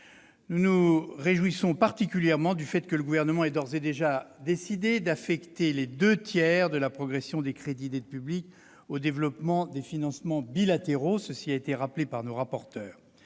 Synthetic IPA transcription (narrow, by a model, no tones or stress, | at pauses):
nunuʁeʒwisɔ̃paʁt̪ikʲyljɛʁmɑ̃d̪yfɛt̪kələɡuvɛʁnəmɑ̃ɛd̪ɔʁzed̪eʒad̪esid̪ed̪afɛkt̪eled̪øt̪jɛʁd̪əlapχɔɡʁɛsjɔ̃d̪ekχed̪id̪ed̪əpyblik | od̪evlɔpmɑ̃d̪efinɑ̃smɑ̃bilat̪eʁosəsiaet̪eʁaplepaʁnoʁapɔʁt̪œːʁ